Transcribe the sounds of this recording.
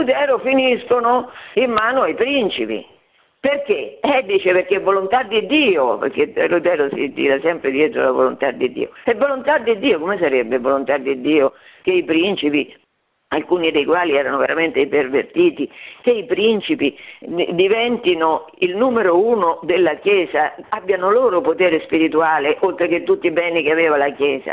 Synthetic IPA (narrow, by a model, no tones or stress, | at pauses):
ut̪̬ɛːɾofiniskonoimːaːnoajpɾint͡ʃipḭ | perk̟eɛd̪iːt͡ʃeperkevːolont̪ad̪ːid̪iːopḛrk̟erut̪ɛːɾosḭt̪ḭːɾasɛmpɾed̪jɛːt̪ɾo̰lavo̰lont̪ad̪ːid̪ːḭːo̰ɛvolont̪ad̪ːid̪ːiːokomes̬aɾebːevolont̪ad̪ːid̪ːiːo | keipɾint͡ʃipi | alkuːnid̪ejkwaːliɛːɾanoveɾament̪eipervert̪iːt̪ik̟eipɾint͡ʃipid̪ivɛnt̪inoilnuːmeɾouːnod̪elːakjɛːzaabːjanoloːɾopot̪ɛːɾespiɾit̪uaːleʔolt̪ɾek̟et̪ːut̪ːibɛːnikeavɛːvalakjɛːza̰